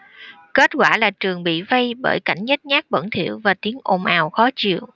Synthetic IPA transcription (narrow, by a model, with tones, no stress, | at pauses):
ke˦˥t̚kwaː˧˩laː˨˩t͡ɕɨ˨˩əŋɓḭ˧˨və˧jɓə̰ː˧˩jka˧˩jŋ̟ɲə˦˥t̚ɲaː˦˥k̚ɓə̰˧˩ŋt̪ʰḭ˧˩˨əwvaː˨˩t̪i˨˦əŋʔo˨˩mʔaː˨˩wxɔ˨˦t͡ɕḭ˧˨əw